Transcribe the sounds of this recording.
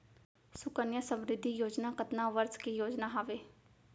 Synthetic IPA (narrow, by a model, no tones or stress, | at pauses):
sʊkənjəsə̃mɾɪd̪ʱːijoːd͡ʒnaːkət̪naːʋəɾskijoːd͡ʒnaːɦaːʋeː